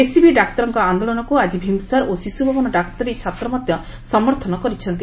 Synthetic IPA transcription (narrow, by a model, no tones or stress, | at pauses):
esibiɖakt̪ɔɾɔŋkɔand̪olɔnɔkuad͡ʒibʱimsaɾʔosisubʱabɔnɔɖak̚t̪ɔɾit͡ʃʰat̪ɾɔmɔd̪jɔ | sɔmɔɾt̪ʰɔnɔkɔɾit͡ʃʰɔnt̪i